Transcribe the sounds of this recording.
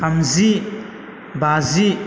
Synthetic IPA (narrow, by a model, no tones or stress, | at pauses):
amzi | bazi